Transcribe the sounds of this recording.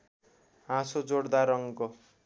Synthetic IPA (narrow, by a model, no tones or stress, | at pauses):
ãsod͡zoɽd̪aɾʌŋko